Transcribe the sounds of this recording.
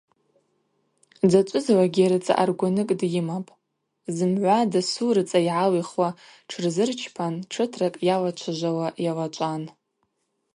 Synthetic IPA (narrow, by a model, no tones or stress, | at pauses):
d͡zat͡ʃʷʼʊzwaɡʲiaɾɨt͡sʼa̰ʔa̰rɡʷanɨkʼdjɪmapʼ | zɨmʕʷadasurɨt͡sʼaiʕaliχwaʈ͡ʂʰɨrzɨrt͡ʃʰpʰanʈ͡ʂʰɨtʰrakʼjalat͡ʃʷʰaʒʷawaʔjalat͡ʃʷʼan